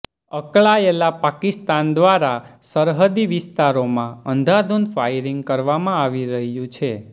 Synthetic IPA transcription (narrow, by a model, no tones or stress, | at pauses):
əkɭaelapakist̪and̪ʋaɾasəɾɦəd̪iʋɪst̪aɾomãənd̪ʱad̪unfajɾiŋɡkəɾʋamãaʋiɾəɦjũt͡ʃʰe